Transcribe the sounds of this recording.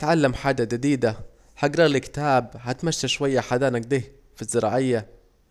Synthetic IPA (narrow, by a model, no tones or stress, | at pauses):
t̪ʕalːamħaːd͡ʒad͡ʒad̪iːd̪a | haɡɾˤɑɣlɪkɪ̥t̪aːbhat̪maʃːaʃwajːaħad̪aːnak̚d̪eːh | fizːɪɾˤɑ̰ːʕɪjːa